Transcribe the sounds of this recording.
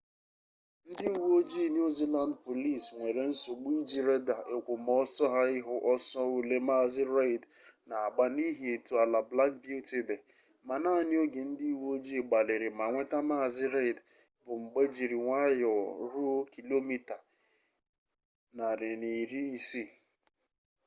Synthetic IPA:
n̩˦dɪ˦u˨wo˦d͡ʒi˦˨n˦u˦zi˦la˨ndpo˨li˦˨sŋʷe˨ɾe˨n̩˦so˨ɡ͡bu˦i˦d͡ʒi˨ɾe˦da˨e˨kʷu˨mɔ˦sɔ˦ɦa˦ɪ˦ɦʊ˨ʔɔ˦sɔ˦u˨le˦ma˦˨zɪ˦ɾe˦i˨d | na˨a˨ɡ͡ba˨ni˦ɦi˨e˨tu˨a˨la˨bla˦k̚bju˦ti˨de˨ | ma˨naː˦˨nɪ˦o˦ɡe˨n̩˦di˦i˦˨wo˦d͡ʒi˦˨ɡ͡ba˨lɪ˨ɾɪ˨ma˨ŋʷe˦ta˦ma˦˨zɪ˦ɾe˦ɪ˨d | bʊ˨ŋ͡m̩˨ɡ͡be˦d͡ʒi˨ɾi˨ŋʷa˦jɔ˨ɾu˦ki˨lo˦mi˦ta˨ | na˨ɾɪ˨ni˨ɾi˦i˨si˦˨

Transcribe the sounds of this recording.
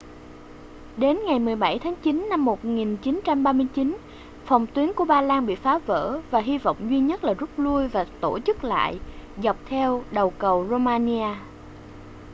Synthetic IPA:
ɗe˨˦nŋa˨˩jmɨ˨˩əjɓa˧˩jt̪ʰaː˨˦ŋt͡ɕi˨˦nːa˧mːo˨˩t̚ŋi˨˩nt͡ɕi˨˦nt͡ɕa˧mɓaː˧mɨ˧əjt͡ɕi˨˦n | fɔ˨˩wŋ͡mt̪wi˨˦əŋku˧˩əɓaː˧laː˧ŋɓḭ˧˨faː˨˦və̰ː˧˥vaː˨˩ɦi˧vɔ̰˧˨wŋ͡mzwi˧ɲə˦˥t̚laː˨˩zə˦˥t̚lu˧əjvaː˨˩t̪o˧˩t͡ɕɨ˦˥k̚la̰ː˧˨jza˨˩wk͡p̚t̪ʰɛ˧wɗə˨˩wkə˨˩wzo˧maː˧ni˧aː˧

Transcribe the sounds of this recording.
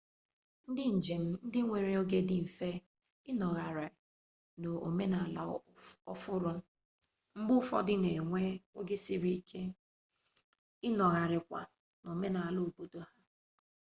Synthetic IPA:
n̩˦dɪ˦n̩˨d͡ʒe˨m̩˦n̩˦dɪ˦ŋʷe˨ɾe˨o˦ɡe˦dɪ˦m̩˨fe˦ | ɪ˦nɔ˨ɣa˨ɾɪ˨ | no˨o̰˨me˦na˨la˨ɔ˦fʊ˦ɾʊ˦ | m̩˦bʊ˦fɔ̰˦dɪ˦ne˨ŋʷe˦o˦ɡe˦si˦ɾi˦kʰe˦ | ɪ˦nɔ˨ɣa˨ɾɪ˨kʷa̰˨ | no˨me˦na˨a˨lo˦˨o˨bo˨do˦ha˦

